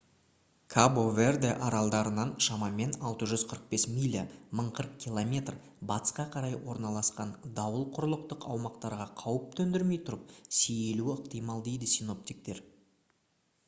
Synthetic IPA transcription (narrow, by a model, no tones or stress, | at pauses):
kʰaboverd̪eʔɑɾɑlˠd̪ɑɾənɑnʃɑmɑme̞nɑlˠt̪əʒʏzqʰəɾəq̚be̞smʲilʲːiməɴqʰəɾəq̚kʲʰilˠomʲe̞t̪r | bɑt̪ə̥sqɑqʰɑɾɑjwo̞ɾnɑlˠɑsqɑnd̪ɑwəlˠqʰʊɾəlˠəq̚t̪əqɑwmɑqt̪ɑɾʁɑqʰɑwəp̚t̪ʰɵnd̪ɪɾme̞jt̪ʰʊɾəp̚seje̞luəqt̪ijmɑlˠd̪e̞jd̪ɪsijno̞p̚t̪ik̚t̪e̞ɾ